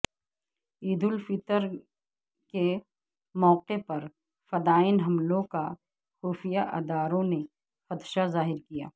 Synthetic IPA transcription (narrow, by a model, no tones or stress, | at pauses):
iːd̪ʊlfɪt̪əɾ | ke | mɔːqepɐɾ | fɐd̪aːɪnɦɐmlõka | xuːfijaʔɐ̰d̪aːɾõne | xɐt̪ʃazaːɦɪɾkija̰ː